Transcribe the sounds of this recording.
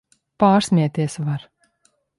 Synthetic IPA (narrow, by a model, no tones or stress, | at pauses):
paːɾsmʲiɛt̪ʲiɛsvaɾ